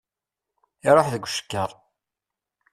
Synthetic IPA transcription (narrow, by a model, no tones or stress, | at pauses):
ɪɾˤoħðəɡʷʃə̥kːəɾˤ